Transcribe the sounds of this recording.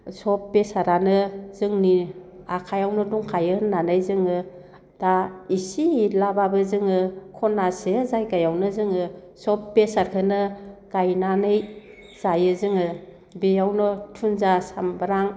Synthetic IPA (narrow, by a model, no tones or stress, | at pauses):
sɔp̚besaɾanɯzɯŋni | akʰajawnɔduŋkʰajɯnanɯjzɯŋɯ | d̥aisilababɯzɯŋɯkʰɔnːasezajɡajawnɯzɯŋɯ | sɔpbesaɾkʰɯnɯɡ̥ajnanɯj | z̥ajɯzɯŋɯ | bejawnɔtʰunzasambɯɾaŋ